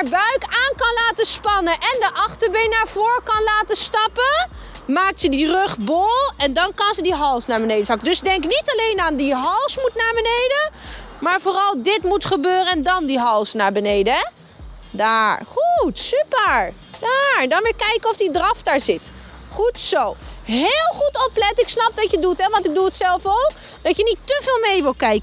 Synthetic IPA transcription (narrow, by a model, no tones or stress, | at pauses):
aɹbœɥkaːnkɑnlaːtəspɑnənʔɛndəʔɑχtəɹbejnaːɹvʊːɹkɑnlaːtəstɑpə | maːk̚tsədirøχbolˠɛndɑnkɑnzədiɦɑlˠsnaːɹbənejdəsɑkədɵsdɛŋknitɑlejnaːndiɦɑlˠsmutnaːɹbənejdəmaːɹvoːrɑlˠdɪtmutχəbøːrəɛndɑndiɦɑlˠsnaːɹbənejdə | daːɹχutsypəɹ | d̥aːɹdɑnʋɪːɹkɛjkənɔfdidrɑfdaːɹzɪt | χutsowɦɪːlˠχutɔplɛtɪksnɑp̚dɑtjədutɦɛʋɑntɪɡ̚duətsɛlˠfowk | dɑtjənitːəvɪːlˠmejʋɪlˠkɛjkə